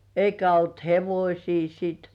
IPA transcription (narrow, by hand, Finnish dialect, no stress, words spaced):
eikæ olt heʋosʲiː siːt